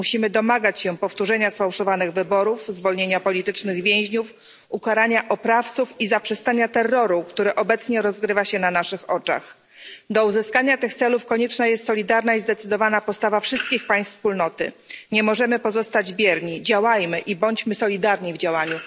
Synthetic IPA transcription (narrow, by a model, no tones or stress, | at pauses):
uɕimɘd̪ɔmaɡat͡ɕɕɛpɔft̪uʐɛɲasfawʂɔvanɘɣvɘbɔɾufzvɔlɲeɲapɔlʲit̪ɘt͡ʂnɘɣvʲjẽw̃ʑɲuf | ukaɾaɲaʔɔpɾaft̪sufizapʂɛst̪aɲat̪ɛrːɔɾukt̪uɾɛʔɔbɛt̪sɲɛɾɔzɡɾɘvaɕɛnanaʂɘxɔt͡ʂa̰x | d̪ɔuzɘskaɲat̪ɘxt̪sɛlufkɔɲɛt͡ʂnajɛst̪sɔlʲid̪aɾnaizd̪ɛt̪sɘd̪ɔvanapɔst̪avafʂɘst̪̚kʲixpaj̃st̪fspulnɔt̪ɘ̰ɲɛmɔʐɛmɘpɔzɔst̪ad͡ʑbʲjɛɾɲid͡ʑawajmɘʔibɔɲt͡ɕmɘsɔlʲid̪aɾɲivd͡ʑawaɲu